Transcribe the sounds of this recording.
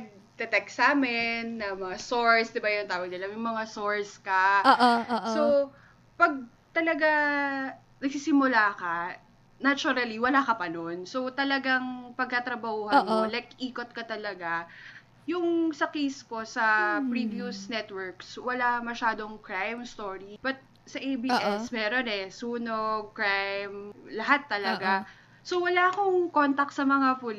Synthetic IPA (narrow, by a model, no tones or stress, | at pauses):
ɡ̚ | t̪ɛt̪ɛksaːmɪnːɐmɐŋasoɹsd̪ɪbajʊnt̪aːwɐɡ̚nɪlɐmjʊŋmɐŋaso̞ɹskɐ | so | pɐɡ̚ | t̪ɐlɐɡa | nɐɡ̚sisɪmʊlaːkɐ | nat͡ʃʊɾɐliwɐlakɐpɐnonsot̪ɐlɐɡaŋpɐɡ̚kɐt̪ɾɐbɐhuːhɐnkolɛkʔiːkot̪̚kɐt̪ɐlɐɡa | jʊŋsɐkijsko̞sɐpɾivjusnɛt̪wɛɹkswɐlamɐʃaːd̪o̞ŋkɹajmst̪oːɹib̥ɐt̪̚ | sɐʔejbiʔɛsmɛːɾonɛsuːnoɡ̚kɹajmlɐɦat̪ːɐlɐɡa | sowɐlaːkoŋkont̪ɐk̚t̪sɐmɐŋapʊl